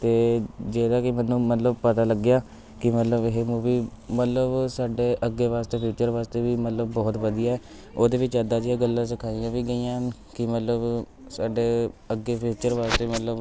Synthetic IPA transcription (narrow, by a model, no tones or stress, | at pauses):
t̪eːd͡ʒeːd̪aːkɪmɛnːũːmət̪ləbpət̪aːləɡɪjaː | kɪmət̪ləbɦeːmuːʋiːmət̪ləbsaːɖeːʔəɡːeːʋaːst̪eːpʰuːt͡ʃəɾʋaːst̪eːʋiːmət̪ləbːɔːt̪ʋəd̪ijaːɛː | oːd̪eːʋɪt͡ʃəd̪aːd͡ʒijãːɡəlːãːsɪkʰaːijãːʋiːɡəijãːn | kɪmət̪ləb | saːɖeːəɡeːpʰiːt͡ʃəɾʋaːst̪eːmət̪ləb